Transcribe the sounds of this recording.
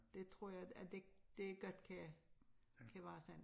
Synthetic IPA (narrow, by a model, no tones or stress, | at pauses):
d̥et͡sʰʁo̝ɐ̰jɑɪæd̥ed̥e̝ɡ̥ɒd̥kʰæ | kʰæʋæːsæn